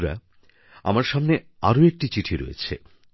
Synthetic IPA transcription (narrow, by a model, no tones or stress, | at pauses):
ɾa̰ | a̰maɾʃamne | aɾoek̚ʈit͡ɕiʈʰiɾo̰jḛt͡ɕʰḛ